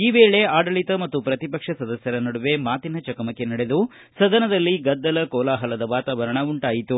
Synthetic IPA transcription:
iːʋeːɭe̞aːɖɐɭit̪ɐmɐt̪ːupɾɐt̪ipɐkʂɐsɐd̪ɐsjɐɾɐnɐɽuʋe̞maːt̪inɐt͡ʃɐkɐmɐkːenɐɽe̞d̪u | sɐd̪ɐnɐd̪ɐlːiɡɐd̪ːɐlɐkɔːlaːɦɐlɐd̪ɐʋaːt̪aːʋɐɾɐɳɐuɳʈaːjit̪u

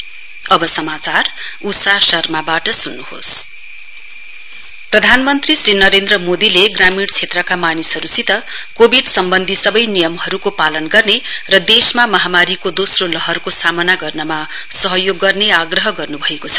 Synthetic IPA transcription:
ʌbʌsʌmat͡sarusasʌrmabaʈʌsunːuho̰s | prʌd̪ʱanmʌnt̪risrinʌɾend̪rʌmod̪ileɡramiɽt͡sʰet̪rʌkamanisɦʌɾusit̪ʌkobʱiɖsʌmbʌnd̪ʱisʌbʌjnijʌmhʌɾukopalʌnɡʌrnerʌd̪esmamʌɦamaɾikod̪osrolʌɦʌrkosamʌnaɡʌrnʌma | sʌɦʌjoɡːʌrneaɡrʌɦʌɡʌrnubʱʌekot͡sʰʌ̥

